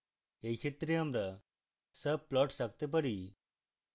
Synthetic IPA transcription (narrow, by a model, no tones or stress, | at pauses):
ekʰet̪ɾeamɾa | səb̚plɔʈsak̚t̪ep̬əɽi